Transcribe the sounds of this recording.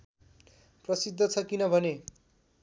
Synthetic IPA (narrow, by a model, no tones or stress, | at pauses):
prʌsid̪ʱːʌt͡sʰʌkinʌbʱʌne